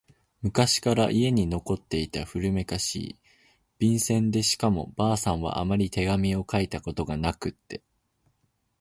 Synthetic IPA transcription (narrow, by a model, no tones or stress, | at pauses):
mɯ̟kaɕi̥kaɾaʔie̞ɲ̟ino̞ko̞t̪ːe̞it̪aɸɯ̟ɾɯ̟me̞kaɕḭː | b̥ʲĩɰ̃sẽ̞nd̪e̞ɕi̥kamo̞̰b̥aːsãɰ̃β̞a̰ʔamaɾʲit̪e̞ɡamʲio̞kait̪ako̞t̪o̞ɡanakɯ̟t̪ːe̞